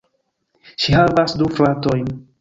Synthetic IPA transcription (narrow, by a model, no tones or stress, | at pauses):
ʃihavasduflato̞jn